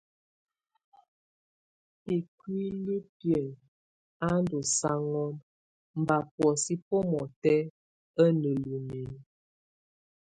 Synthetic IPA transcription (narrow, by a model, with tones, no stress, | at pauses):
i˨kwi˦lu˦pjɛ˨n | a˦n˦do˨sa˦ŋɔ˦m | m̩˨ba˨pwɔ˨si˦po˦mɔ˨tɛ˦ | ə˦nə˨lu˨mi˨n˦